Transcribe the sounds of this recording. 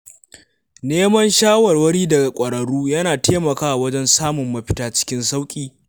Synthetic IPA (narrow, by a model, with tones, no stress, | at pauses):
neː˦mɐ˦nʃaː˦wɐ˨rwɐ˦ɽiː˦dɐ˨ɡa˨kʷʼɐ˨ɽɐ˨ɽuː˦jɐ˦naː˨teː˦mɐ˨kaː˦ʔa˨wɐ˦d͡ʒɛ˦nsaː˦mʊ˨mːɐ˦ɸɪ˦taː˦t͡ʃɪ̥˦kʲɪ˦nsa˦wkʲʼiː˨